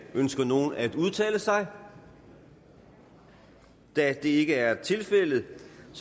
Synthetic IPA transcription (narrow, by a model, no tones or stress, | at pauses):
ønsɡ̥ɐno̝ːn̩æd̥uð̞ˠt͡sʰɛ̰ːləsɑ̈ɪ | d̥æd̥e̝e̝ɡ̥əæɐt͡sʰe̝lfel̰ð̩ˠs